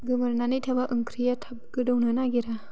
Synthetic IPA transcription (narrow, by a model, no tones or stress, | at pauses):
ɡɯmɯɾnanɯjtʰabaʔɯŋkʰɾijatʰap̚ɡɯdawnɯnaɡiɾa